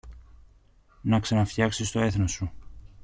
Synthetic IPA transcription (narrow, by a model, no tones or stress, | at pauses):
nɐksɐnɐfçɐksist̪o̞e̞θnosu